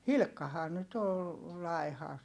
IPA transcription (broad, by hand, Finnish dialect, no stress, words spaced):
hilkːɑhɑː nyt ol lɑi̯hɑ